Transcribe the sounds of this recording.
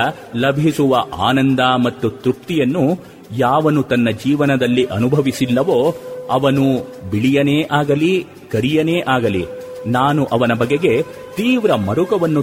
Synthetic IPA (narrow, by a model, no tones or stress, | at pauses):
lɐbʱisuʋɐʔa̰ːnɐnd̪amɐt̪ːut̪ɾup̚t̪ijɐnːu | jaːʋɐnut̪ɐnːɐd͡ʒiːʋɐnɐd̪ɐlːiʔɐnubʱɐʋisilːɐʋoːɐʋɐnubiɭijɐneːʔaːɡɐli | kɐɾijɐne̞ːʔaːɡɐlḭ | naːnuʔɐʋɐnɐbɐɡe̞ɡe̞ | t̪iːʋɾɐmɐɾukɐʋɐnːu